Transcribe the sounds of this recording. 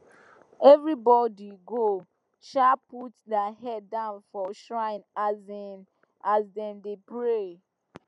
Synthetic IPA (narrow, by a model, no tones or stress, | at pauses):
ɛvɾibɔdiɡo | ʃaputdahɛddãʊnfɔʃɹãɪ̃nazin | azdɛ̃ndepɹe